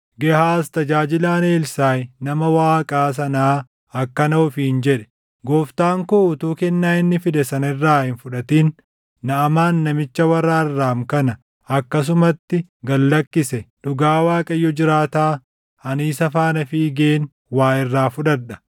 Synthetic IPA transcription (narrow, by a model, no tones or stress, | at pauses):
ɡɛhaːst̪ɐd͡ʒaːd͡ʒɪlaːneːlsaːjnɐmɐwaːkʼaːs̬ɐnaː | ɐkːɐnɐʊfɪɪnd͡ʒɛᶑɛ̥ | ɡoːft̪aːŋkoʊt̪uːkɛnːaːɪnːɪfɪd̪ɛsɐnɐɪrːaːhɪnfʊᶑɐt̪iːnː | ɐːmaːnːɐmɪt͡ʃːɐwɐrːaːɪrːaːmkɐnɐ | ɐkːɐs̬ʊmɐt̪ːɪɡɐlːɐkːɪsɛᶑʊɡaːwaːkʼɐjːɔd͡ʒɪɾaːt̪aː | ɐniːsɐfaːnɐfiːɡeːn | waːʔɪrːaːfʊᶑɐᶑɐ̥